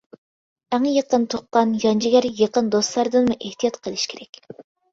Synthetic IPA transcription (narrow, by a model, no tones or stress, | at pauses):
æŋəjeqənt̪ʰoqqːɑnjɑnd͡ʒiɡʲæɾjeqənd̪oslˠɑɾd̪ɨnmuʔeht̪ijɑt̪qʰəlˠɨʃkʲʰeɾɛkʲ